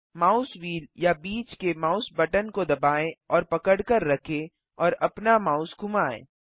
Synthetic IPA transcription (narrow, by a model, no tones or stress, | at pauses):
maːʊswiːljabiːt͡ʃkemaːʊsbɐʈənkod̪ɐbaːẽɔːɾpɐkəɽkəɾːɐkʰe | ɔːɾɐpnamaːʊsɡʱʊmaːḛː